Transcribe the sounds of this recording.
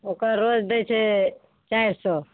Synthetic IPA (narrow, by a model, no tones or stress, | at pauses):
okəɾːod͡ʒd̪ejt͡ʃʰe | t͡ʃaiɾsɔ